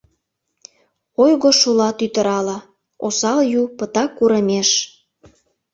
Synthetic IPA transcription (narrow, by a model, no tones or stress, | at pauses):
ojɣoʃulɑt̪yt̪əɾɑlɑ | osɑljupət̪ɑkːuɾəmʲeʃ